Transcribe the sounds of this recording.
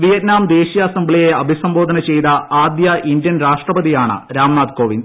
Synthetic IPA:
ʋijɐt̪naːmd̪e̞ːɕijɐsɐmbɭijeɐbʱisɐmbo̞ːd̪ʱɐnɐt͡ɕe̞jt̪ɐaːd̪jɐʔind̪jɐnɾaːʂʈrɐbɐd̪ijaːɳɨ̰ɾaːmɳaːd̪ko̞ːʋin

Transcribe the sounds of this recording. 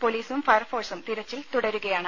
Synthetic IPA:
poliːsʋumfɐjɐrfo̞ːrsumt̪iɾɐt͡ɕːilt̪uɽɐɾuɣɐjaːɳɨ

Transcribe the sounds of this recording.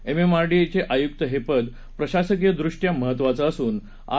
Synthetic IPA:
ememaɾɖiet͡ɕeʔajuk̚t̪əɦepəd̪ | pɾəɕasəkjəd̪ɾuʂʈjaməɦət̪ːʋat͡səːsuːn | a̰

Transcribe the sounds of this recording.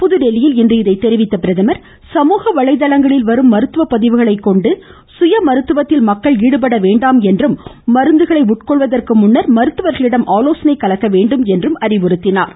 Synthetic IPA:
pʊðɯɽɛlɪjɪlɪndrɯɪðɐɪt̪ːɛɾɪʋɪt̪ːɐpɪɾɐðɐmɐɾ | sɐmuːɣɐʋɐɭɐɪðɐlɐŋɡɐɭɪlʋɐɾɯmːɐɾɯt̪ːɯʋɐpːɐðɪʋɯɣɐɭɐɪkːɔɳɖɯ | sʊjɐmɐɾɯt̪ːɯʋɐt̪ːɪlmɐkːɐɭiːɽɯp̬ɐɽɐʋeːɳɖaːmɛndrɯmːɐɾɯnd̪ɯɣɐɭɐɪʊʈ̚kɔɭʋɐðɐrkɯmʊɳːɐɾmɐɾɯt̪ːɯʋɐɾɣɐɭɪɽɐmʔaːloːsɐnɐɪkːɐlɐkːɐʋeːɳɖɯmɛndrɯmɐɾɪʋɔɾɯt̪ːɪnaːɾ

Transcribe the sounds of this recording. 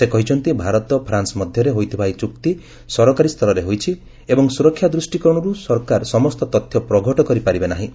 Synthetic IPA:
sekɔɦit͡ʃʰɔnt̪ibʱaɾɔt̪ɔpʰɾansɔmɔd̪ʱjɔɾeɦojt̪ʰibʱajt͡ʃukt̪i | sɔɾɔkaɾist̪ʰɔlɔɾeɦojt͡ʃʰi | ebɔŋsuɾɔkʰːjad̪ɾusʈikɔɾɔɽ̃ɔɾusɔɾkaɾsɔmɔst̪ɔt̪ɔt̪ʰːjɔpɾɔɡʱɔʈɔkɔɾipaɾibenaɦĩ

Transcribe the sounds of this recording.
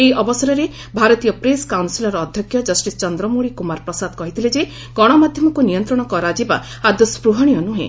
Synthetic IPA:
ejʔɔbɔsaɾɔɾe | bʱaɾɔt̪ijɔpɾeskawnsilɔɾɔːd̪ʱjɔkʰjɔd͡ʒɔsʈist͡ʃɔnd̪ɾɔmuɽikumaɾpɾɔsad̪kɔɦit̪ʰiled͡ʒe | ɡ̥ɔɽ̃ɔmad̪ʱjɔmɔkunijɔnt̪ɾɔɽ̃ɔkɔɾad͡ʒiba | ad̪ɔspɾuɦaɽ̃ijɔnuɦḛ̃

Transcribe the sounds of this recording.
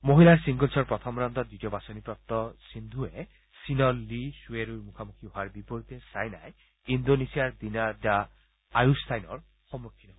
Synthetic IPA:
moɦilaɹsiŋɡolsʰɔɹpɾɔt̪ʰɔmɾant̪ɔd̪uʈiɔbasɔnipɾɔp̚t̪ɔsind̪ʱue | sinɔlːisueɾuɾmukʰamukʰiɦoaɾbipɔɾit̪esajnaj | ind̪onesiaɾd̪inad͡ʒa | ajust̪ʰajnɔ̰ɹ | xɔmːokʰːinɔ

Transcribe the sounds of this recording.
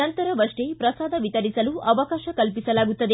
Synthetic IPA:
ɐnt̪ɐɾɐʋɐʂʈepɾɐsaːd̪ʱɐʋit̪ɐɾisɐluʔɐʋɐkaːʃɐkɐlpisɐlaːɡut̪ːɐd̪e

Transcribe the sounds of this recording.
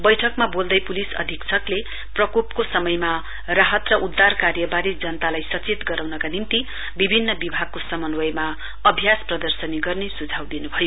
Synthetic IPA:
bʌjʈʰʌkmabold̪ʌjpulisʌ̰d̪ʱikt͡sʰʌkle | prʌkupkosʌmʌjma | raɦʌt̪rʌʔud̪ːarkarjʌbaɾid͡zʌnʌt̪alajsʌt͡set̪ɡʌɾawnʌkanimt̪i | bibʱinːʌbibʱaɡ̚kosʌmʌnwʌjma | ʌbʱjasprʌd̪ʌrsʌniɡʌrnesud͡zʱawd̪inubʱʌjo

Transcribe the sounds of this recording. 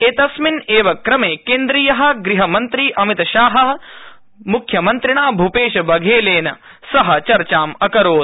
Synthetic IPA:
eːt̪ɐsmineːʋɐkɾɐmeːkeːnd̪ɾijɐɦɐ̆ɡɾiɦɐmɐnt̪ɾiːʔɐmit̪ɐʃaːɦɐɦɐ | mukʰjɐmɐnt̪ɾiɳaːbʱupeːʃɐbɐɡʱeːleːnɐ | sɐɦɐ̆t͡ʃɐɾt͡ʃaːmɐkɐɾoːd̪

